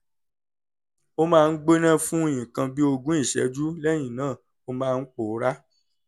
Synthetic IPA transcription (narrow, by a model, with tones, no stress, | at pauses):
o˦mãː˦˧n̩˦ɡ͡be˦nã˦fũ˦j̃ĩ˨kã˧bi˦o˧ɡũ˦i˦˨ʃɛ̰˧˦d͡ʒu˦lɛ˦j̃ĩ˨nãː˦˨ | o˧mãː˦˧˦k͡po˨˦ɾa˦